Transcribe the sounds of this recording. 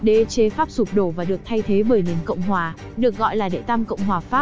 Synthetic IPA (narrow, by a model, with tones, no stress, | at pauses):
ɗe˧˩t͡ɕe˧˩faː˦˥p̚su˨˩p̚ɗo˧˩vaː˨˩ɗɨ˨˩ək̚t̪ʰa˧jt̪ʰe˨˦ɓəː˧˩jni˨˩ənkə̰˧˨wŋ͡mɦwaː˨˩ | ɗɨ˨˩ək̚ɣɔ̰˧˨jlaː˨˩ɗḛ˧˨t̪a˧mkə̰˧˨wŋ͡mɦwaː˨˩faː˦˥p̚